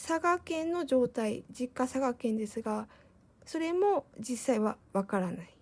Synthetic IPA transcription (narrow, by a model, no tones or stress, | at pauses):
saɡakẽ̞nːo̞ʑo̞ːt̪aid͡ʑikːasaɡakẽ̞nd̪e̞sɨɡa | so̞ɾe̞mo̞d͡ʑisːaiβaβakaɾanai